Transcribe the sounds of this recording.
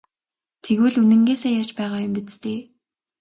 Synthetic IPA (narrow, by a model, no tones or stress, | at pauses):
t̪ʰeɣŭːɮunɘ̆ŋɡeːseːjaːrt͡ɕpæːʁaːjʊmpit͡st̪eː